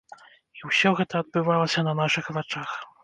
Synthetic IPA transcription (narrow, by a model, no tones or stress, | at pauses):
iwsʲɔɣɛt̪ɐːd̪̚bɨvalˠɐsʲɐnɐnaʂɨxvat͡ʂax